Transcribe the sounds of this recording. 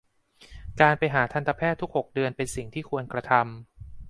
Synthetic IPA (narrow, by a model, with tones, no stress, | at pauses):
kaː˧npa˧jɦaː˩˦t̪ʰa˧nt̪ʰa˧pʰɛː˥˩t̪ʰːu˦˥k̚ho˨˩k̚dɯ˧ənpe˧nsi˨˩ŋt̪ʰiː˥˩kʰu˧ənkɾa˧t̪ʰa˧m